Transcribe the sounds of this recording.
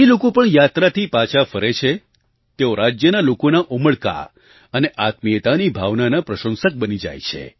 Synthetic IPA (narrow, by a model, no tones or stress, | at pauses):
ilokopəɳjat̪ɾat̪ʰipat͡ʃʰafəɾet͡ʃʰe | t̪eoɾad͡ʒjənalokonaʔoməɭka̰ | əneʔat̪miət̪anibʱaʋnanapɾəʃə̃nsək̚bənid͡ʒa̰jt͡ʃʰḛ